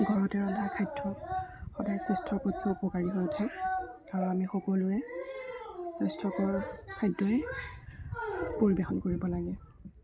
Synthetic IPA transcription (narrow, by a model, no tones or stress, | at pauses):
ɡʱɔɹɔtɛɹɔdʱakʰajdɹɔxɔdajsɛstɹɔkɔtʰɔupɔkaɹiɦojɔtʰɛ | aɹuamixokolʊɛ | sɛstɹɔkɔɹkʰajdɔɛ | poɹibexɔnkoɹibɔlaɡɛ